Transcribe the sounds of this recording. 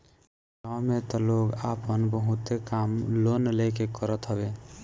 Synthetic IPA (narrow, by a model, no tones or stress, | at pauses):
ɡawmet̪ɔloɡapənbəɦut̪ekamlonlekekəɾət̪ɦəbe